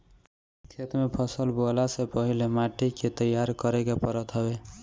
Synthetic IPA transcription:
kʰet̪mepʰəsəlbolasepəɦilemaʈiket̪əjːaɾkəɾekepəɾət̪ɦɔbe

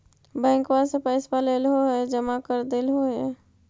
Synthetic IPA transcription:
bɛ̃ːŋkwasepəɪspaleːlɦoɦɛd͡ʒəmakəɾd̪elɦoɦɛ

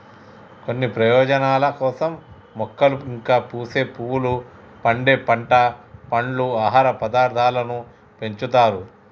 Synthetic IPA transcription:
ko̞nːipɾɐjɔːd͡ʒɐnaːlɐkɔːsɐmː | ɔkːɐluiŋkaːpuːse̞ːpuwulu | pɐɳɖeːpɐɳʈɐpɐɳluaːɦaːɾɐpɐd̪aːɾt̪ʰaːlɐnu | pe̞ɲt͡ʃut̪aːɾu

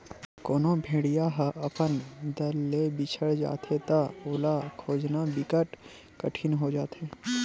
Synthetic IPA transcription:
koːnõbʱeːɽijaɦʔɐpənd̪əlːebɪt͡ʃʰəɽd͡ʒa̰ːt̪et̪aʊːlakʰoːd͡ʒnabɪkəʈ | kəʈʰinɦod͡ʒaːt̪eː

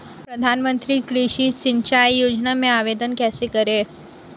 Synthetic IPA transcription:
pɾɐd̪ʱaːnmə̃nt̪ɾikɾiːʃisɪnt͡ʃaːjjoːd͡ʒnamẽaːʋeːd̪ənkɛːsekɐɾeː

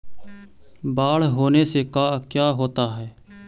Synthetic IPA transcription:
baːɭɦoːneːseːkaːkjaːɦoːt̪aːɦɛː

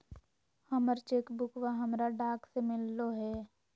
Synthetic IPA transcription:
həməɾt͡ʃeːkbʊkʋaɦəmɾaɖaːksemɪlːoɦɛː

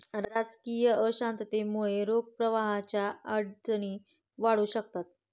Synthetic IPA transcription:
ɾɾad͡zkijəəɕãnt̪t̪emuɭeɾoɡ̚pɾəʋaɦat͡ɕjaəɽd͡zəɽ̃iː | ʋaɽuːɕək̚t̪at̪̚

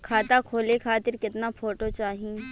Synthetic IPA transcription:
kʰaːt̪akʰoːlekʰaːt̪ɪɾkɪt̪napʰoːʈot͡ʃaːɦĩ

